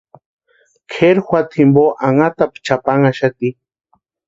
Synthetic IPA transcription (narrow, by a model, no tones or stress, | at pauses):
kʰeɾxʷwʷat̪ʰimboʔaŋat̪api̥t͡ʃapaŋaʃat̪i